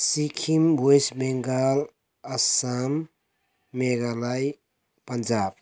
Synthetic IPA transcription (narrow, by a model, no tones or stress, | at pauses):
sikʰimbʱojsbeŋɡal | ɐsamː | eɡalaj | pɐnd͡ʒab̥̚